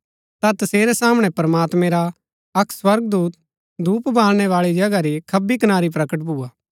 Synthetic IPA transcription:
t̪at̪ɐseːɾɛsaːmɽ̃ɛ̃pɾɐmaːt̪mɛ̃ɾa | ɐkswɐɾɡd̪uːt̪̚ | d̪ʱuːpbʱaːlɽ̃ɛʋaːɭid͡ʒɐɡaɾikʰɐbikɐnaːɾip̬ɾɐkəʈ̬̚buːaː

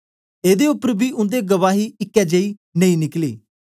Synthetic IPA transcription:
eːd̪eːʊpəɾbiːʊ̃nd̪eːɡəʋaːɦiːɪkːɛːd͡ʒəiː | nəĩːnɪklḛː

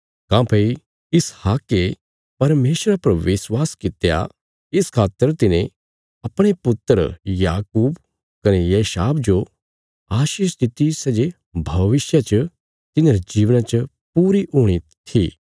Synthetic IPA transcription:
kãːpʰei | ɪshaːkːe | pɐɾmeːsɾapɐɾʋɪswaːskɪt̪eja̰ | ɪskʰaːt̪ːəɾt̪ɪnẽ | ɐpɽ̃epʊt̪ːəɾjaːkuːb | kɐnejeːʃaːbd͡ʒo | aːʃiːʃt̪ɪt̪isɛːd͡ʒe | bʱɐʋɪsjat͡ʃə | t̪ɪneɾid͡ʒiːʋnãt͡ʃə | puːɾiɦuːɽ̃it̪ʰiː

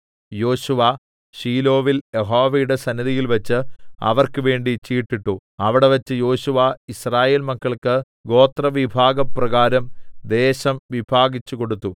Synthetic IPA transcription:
jo̞ːɕuʋɐ | ɕiːlo̞ːʋiljeɦoːʋɐjuɽe̞sɐniðijilʋɐt͡ɕːɨɐ̰ʋɐrkɨʋe̞ːɳɖit͡ɕiːʈːiʈːuɐʋiɽe̞ʋɐt͡ɕːɨjo̞ːɕuʋɐisraːje̞ːlmɐkːɐɭkɨ | ɡo̞ːt̪rɐʋibʱaːɡɐprɐɡaːɾɐmd̪e̞ːɕɐmʋibʱaːɡit͡ɕːuko̞ɽut̪ːu

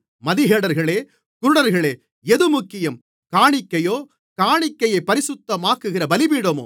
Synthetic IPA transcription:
mɐðɪɣeːɽɐɾɣɐɭeː | kʊɾɽɐɾɣɐɭeː | ɛðɯmʊkːɪjɐm | kaːɳɪkːɐjoː | kaːɳɪkːɐjɐɪpːɐɾɪsʊt̪ːɐmaːkɯɣɪrɐbɐlɪbiːɽɐmo̰ː

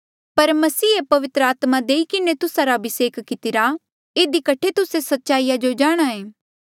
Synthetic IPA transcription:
pɐɾmɐsiːepɐʋɪt̪ɾəaːt̪mad̪eːikɪnet̪ʊsaɾabɪseːkʰkɪt̪ɪɾa | eːd̪ikɐʈʰet̪ʊsesɐtːʃaːijad͡ʒod͡ʒaːɽ̃aɦẽː

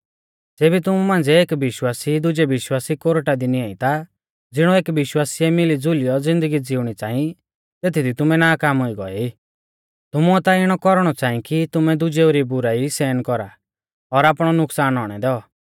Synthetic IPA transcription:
d͡zeːbit̪ʊmumãːnd͡zɛeːkʋɪʃwaːsid̪ʊd͡ʒɛʋɪʃwaːsikoɾʈad̪iniaːĩt̪a | d͡zɪɽ̃ɔeːkʋɪʃwaːsiɛmɪlid͡zʊlijɔd͡zɪ̃nd̪əɡid͡zɪuɽ̃it͡sãːĩ | t̪eːt̪ʰid̪it̪ʊmɛnaːkaːmɦoiɡɔ̰ɛi | t̪ʊmuɛt̪aɪɽ̃ɔkɔɾɽ̃ɔt͡ʃãːĩkit̪ʊmɛd̪ʊd͡ʒeoɾibʊɾaisɛːnkɔɾa | ɔɾaːpɽ̃ɔnʊksaːnɦɔɽ̃ɛd̪ɛɔ

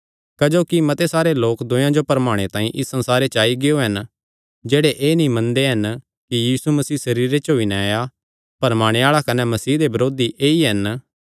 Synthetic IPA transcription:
kɐd͡ʒoːkimɐt̪esaːɾeloːkd̪ʊ̃jãd͡ʒopɐɾmaːɽ̃et̪ãːĩʔɪsːɐ̃nsaːɾet͡ʃaːiɡɪoɦɐn | d͡ʒeːɽeʔeːnĩmɐ̃nd̪eɦɐn | kijiːsumɐsiːsɐɾiːɾet͡ʃɦoːinɛaːja | pɐɾmaːɽ̃eaːɭakɐnɛmɐsiːd̪ebɐɾoːd̪iʔeːiɦɐn

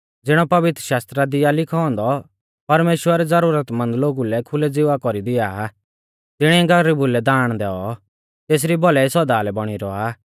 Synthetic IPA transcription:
d͡zɪɽ̃ɔpɐʋɪt̪ɾəʃaːst̪ɾad̪ɪjalɪkʰɔɔ̃nd̪ɔ | pɐɾmeːʃwəɾɛd͡zɐɾuːɾət̪mɐ̃nd̪loːɡulɛkʰʊlɛd͡zɪʋakɔɾid̪ɪa | t̪ɪɽ̃ɛɡɐɾibʊlɛd̪aːɽ̃d̪ɛːɔ | t̪eːs̬ɾibɔlɛisɔd̪aːlɛbɔɽ̃iɾɔa

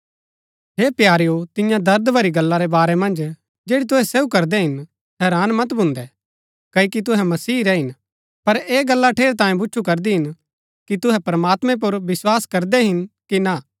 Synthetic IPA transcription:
ɦeːpjaːɾijot̪ɪ̃jãd̪ɐɾd̪bʱɐɾiɡɐlːaɾɛbaːɾɛmɐ̃nd͡ʒ | d͡ʒeːɽit̪̬ʊɦɛseːukɐɾd̪ɛɦɪn | ɦɛːɾaːnmɐt̪bʱʊ̃nd̪ɛ | kɐikit̪̬ʊɦɛmɐsiːɾɛɦɪn | pɐɾeːɡɐlːaʈʰeːɾt̪ãːjẽbʊːt͡ʃʰukɐɾd̪iɦɪn | kit̪ʊɦɛpɐɾəmaːt̪mɛ̃p̬ʊɾʋɪswaːskɐɾd̪ɛɦɪnkina

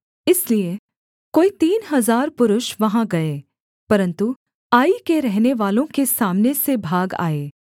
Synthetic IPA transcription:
ɪslie | koːit̪iːnɦɐzaːɾpʊɾʊʃʋɐɦãɡɐeː | pɐɾə̃nt̪u | aːikeɾɛɦneʋaːlõkesaːmnesebʱaːɡa̰ːeː

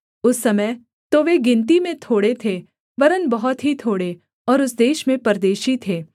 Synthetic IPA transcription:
ʊsːɐməj | t̪oʋeɡɪ̃nt̪imẽt̪ʰoːɽet̪ʰe | ʋɐɾənbɐɦʊt̪ɦit̪ʰoːɽe | ɔːɾʊsd̪eːʃmẽpɐɾd̪eːʃit̪ʰeː

